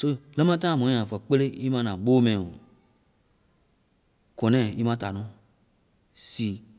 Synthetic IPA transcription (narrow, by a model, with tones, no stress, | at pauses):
so˦lə̃˦mã˦tã˦˨mɔ̃˨˦ã˨fa˨k͡pe˦le˦ʔi˦mã˦nã˨ɓoː˦mɛ̃˨o˨ | kɔ̃˨nɛ̃˦˨i˦mã˦ta˨nɔ̃˦ | si˨